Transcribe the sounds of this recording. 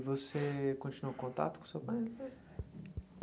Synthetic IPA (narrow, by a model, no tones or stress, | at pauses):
vosekõnt͡ʃinuɐ̃kõnt̪a̰t̪ukõsewpãj